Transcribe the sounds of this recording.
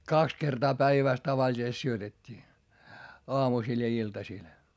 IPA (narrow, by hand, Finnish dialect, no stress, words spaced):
kɑks kertɑː pæiʋæˑs tɑʋɑlʲisest syøtetʲːiː oɑmusiˑl jɑ iltɑsiˑl